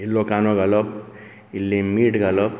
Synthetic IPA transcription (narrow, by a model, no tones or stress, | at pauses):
ilːokanoɡʌlʌb̚ | ilːemiʈɡʌlʌb̚